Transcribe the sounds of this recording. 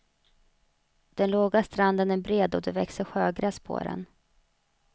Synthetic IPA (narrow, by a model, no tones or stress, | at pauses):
d̪̥ɛnloːɡast̪ɾand̪ənæɾbɾeːd̪ɔd̪ɛvɛksəɧøːɡɾaspʰo̰ːɾɛ̰n